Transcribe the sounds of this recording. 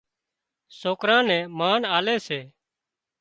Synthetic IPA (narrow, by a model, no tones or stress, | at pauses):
soːkɾãːnɛ̃ːmaːnaːleːseː